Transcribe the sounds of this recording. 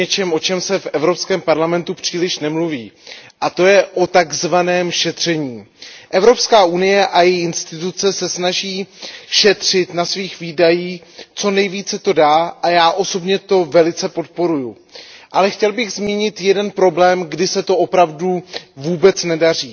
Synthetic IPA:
ɛt͡ʃɛmʔo̞t͡ʃɛmsɛfʔɛvɾo̞pskɛːmpaɾlamɛnt̪upr̝̥iːlɪʃnɛmluviːʔat̪o̞jɛʔo̞t̪aɡzvanɛːmʃɛt̪r̝̥ɛɲiː | ʔɛvɾo̞pskaːʔunɪjɛʔajɛjɪnst̪ɪt̪ut͡sɛsɛsnaʒiːʃɛt̪r̝̥ɪt̪nasviːxviːdajiːxt͡so̞nɛjviːt͡sɛt̪o̞daːʔajaːʔo̞so̞bɲɛt̪o̞vɛlɪt͡sɛpo̞t̪̚po̞ɾuju | ʔalɛxcɛlbɪɣzmiːɲɪt̪jɛdɛnpɾo̞blɛːmɡdɪsɛt̪o̞ʔo̞pɾavduvuːbɛt͡snɛdariː

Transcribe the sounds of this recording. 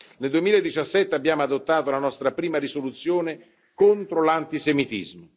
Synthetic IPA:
neld̪uemiːlaed̪ːit͡ʃasːɛt̪ːeabːjaːmoad̪ot̪ːaːt̪olanɔst̪ɾapɾiːmaɾisolut̪sːjoːne | kont̪ɾolant̪isemit̪ḭzmo

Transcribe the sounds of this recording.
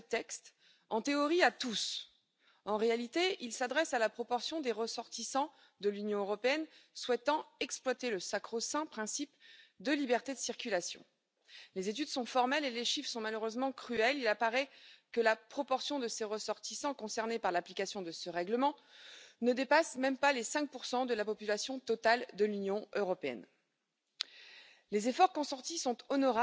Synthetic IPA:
t̪ɛkst̪ | ɑ̃t̪eɔʁiat̪us | ɑ̃ʁealit̪eilsad̪ʁɛsalapχɔpɔʁsjɔ̃d̪eʁəsɔʁt̪isɑ̃ | d̪əlynjɔ̃øʁɔpeɛnswɛt̪ɑ̃ɛksplwat̪eləsakχosɛ̃pχɛ̃sipd̪əlibɛʁt̪ed̪əsiʁkʲylasjɔ̰̃ | lezet̪yd̪sɔ̃fɔʁmɛleleʃifsɔ̃maløʁøzmɑ̃kχyɛlilapaʁɛkəlapχɔpɔʁsjɔ̃d̪əseʁəsɔʁt̪isɑ̃kɔ̃sɛʁnepaʁlaplikasjɔ̃d̪əsəʁɛɡləmɑ̃nəd̪epasmɛmpalesɛ̃k̚puʁsɑ̃d̪əlapɔpylasjɔ̃t̪ɔt̪ald̪əlynjɔ̃øʁɔpeɛ̰n | lezefɔʁkɔ̃sɑ̃t̪isɔ̃t̪ɔnɔʁa

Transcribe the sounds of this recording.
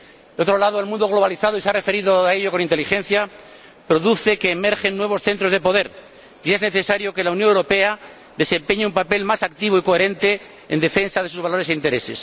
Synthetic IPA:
d̪eo̞t̪ɾo̞laðoelmũnd̪o̞ɣ̞lo̞β̞aliθaðoiseare̞fe̞ɾiðoaeʎo̞ko̞nint̪e̞lixe̞nθja | pɾo̞ðuθe̞ke̞ːme̞ɾxenːwe̞β̞o̞sθe̞nt̪ɾo̞zðepoðe̞ɾ | ie̞zne̞θe̞saɾjo̞ke̞launjonewɾo̞pe̞a | ðe̞se̞mpeɲeumpape̞lmasak̚t̪iβ̞oiko̞e̞ɾẽ̞nt̪e̞ | ḛnd̪e̞fe̞nsaðe̞s̬uzβalo̞ɾes̬eint̪e̞ɾe̞se̞s

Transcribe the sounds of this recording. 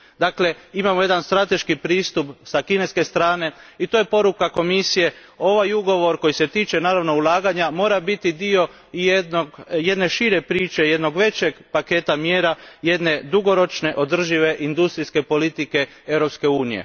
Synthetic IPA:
d̪aːkle̞imamo̞je̞d̪anst̪ɾat̪e̞ʃkipɾiːst̪upsakine̞ske̞st̪ɾaːne̞it̪oje̞po̞ɾukako̞misije̞ | o̞ʋajuɡo̞ʋo̞ɾko̞jise̞t̪iːt͡ʃe̞naːɾaʋno̞ulˠaːɡaɲamo̞ːɾabit̪id̪io̞ | jed̪noɡje̞d̪ne̞ʃiːɾe̞pɾiːt͡ʃe̞je̞d̪no̞ɡʋe̞t͡ɕe̞ɡpake̞ːt̪amjeːɾaje̞d̪ne̞d̪uɡo̞ɾo̞t͡ʃne̞ʔo̞d̪r̩ʒiʋe̞ʔind̪ust̪ɾiske̞po̞lit̪ike̞ | e̞ʋɾopske̞uːnije̞̰

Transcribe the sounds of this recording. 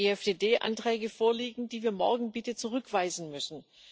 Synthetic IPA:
eːɛfd̥eːdeːʔa̰ntʁ̥ɛːɡəfoːɐliːɡŋ̩d̥iːviːɐmɔɐɡŋ̩bɪtət͡suʁʏkv̥aɪzn̩mʏsn̩

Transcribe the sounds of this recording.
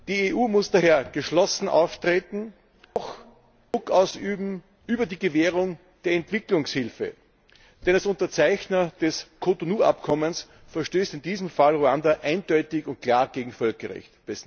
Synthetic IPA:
d̥iːeʔuːmʊsd̥aːɦeːɐɡ̥əʃlɔsn̩ʔa̰ʊftʁ̥eːtn̩ | x | d̥ʁʊkaʊsyːbm̩ | ʔyːbɐdiːɡəveːʁʊŋ | d̥eːɐɛntv̥ɪklʊŋshɪlfə̰ | d̥ɛndasʊ̃ntɐt͡sæɪçnɐd̥ɛskʰotonuːʔa̰pkʰɔməns | fɛɐʃtøːstɪndiːzəmfalʁoandaʔæɪnd̥ɔʏtɪçʊnt̚kʰl̥aːɐɡ̥eːɡŋ̩fœlkɐʁɛ̰çtb̥ɛs

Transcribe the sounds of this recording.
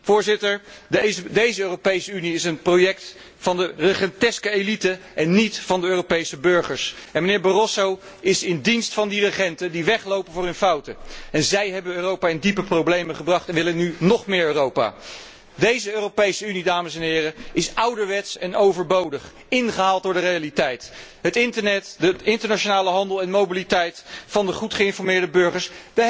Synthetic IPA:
fʊːɹzɪtəɹ | dejzəøːropejsəyniɪsənprojɛkt | fɑndərəχɛntɛskəejlitəʔɛnːitfɑndəøːropejsəbøɹχəɹsɛnmənɪːɹbərɔsow | ɪsɪndinstfɑndirəχɛntədiʋɛχlowpənvʊːrənfʌwtəɛnzɛjɦɛbənøːrowpaːɪndipəprowblejməχəbrɑχtɛnʋɪlənːynɔχmɪːɹøːrowpa̰ː | dejzəøːrowpejsəynidaːməsɛnɦɪːɾəɪsʌwdəʋɛtsɛnowvəɹbowdəχ | ɪnχəɦaːlˠtdʊːɹdərejalitɛjtɦətɪntənɛtdəɪntəɹnaʃonaːləɦɑndəlˠɛnmowbilitɛjtfɑndəχutχəɪnfɔɹmɪːɹdəbøɹχəɹsd̥ə

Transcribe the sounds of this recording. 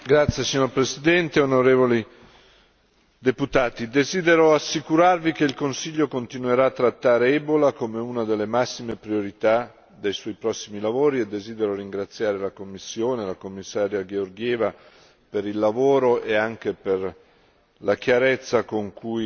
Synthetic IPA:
ɡɾat̪sjesiɲːoɾpɾesid̪ɛnt̪eonoɾeːvoli | d̪eput̪aːt̪id̪eziːd̪eɾoasːikuɾarvikeilkonsiʎːokont̪inueɾaːt̪ːɾat̪ːaːɾeɛbolakomeunad̪elːemasːimepɾioɾit̪a | d̪ejswɔjpɾɔsːimilavoːɾied̪ːeziːd̪eɾoɾiŋɡɾat̪sːjaːɾelakomːisːjoːnelakomːisːaːɾjaɡeorɡjɛːva | peɾilːavoːɾoʔeaŋk̟eper | lak̟jaɾet̪sːakoŋkʰuj

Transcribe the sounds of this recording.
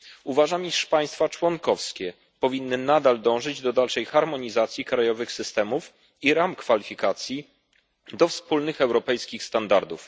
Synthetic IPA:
uvaʐamiʂpaj̃st̪fat͡ʂwɔŋkɔfskʲɛ | pɔvʲinːɘnad̪ald̪ɔ̃w̃ʐɘd͡ʑd̪ɔd̪alʂɛjxaɾmɔɲizat̪sʲjikɾajɔvɘxsɘst̪ɛmuf | iɾamkfalʲifʲikat̪sʲji | d̪ɔfspulnɘxɛwɾɔpɛjskʲixst̪and̪aɾd̪uf

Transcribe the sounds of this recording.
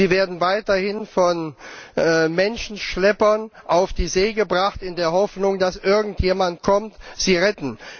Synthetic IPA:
iːveːɐdn̩vaɪtɐhɪnfɔnː | mɛnʃn̩ʃlɛpɐnʔaʊfd̥iːzeːɡəbʁaχtɪndeːɐɦɔfnʊŋdasʔɪɐɡŋ̩tʰjeːmant̚kʰɔmtz̥iːʁɛtn̩

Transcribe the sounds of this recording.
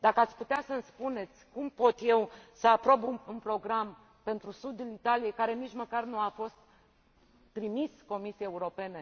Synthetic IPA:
d̪akəat̪sʲput̪easənspune̞t̪sʲkumpo̞t̪je̞wsəapɾo̞buunpɾo̞ɡɾam | pe̞nt̪ɾusud̪ɨnit̪alijekaɾe̞nit͡ʃməkarnuafo̞st̪̚ː | ɾimisko̞misieeuɾo̞pe̞ne

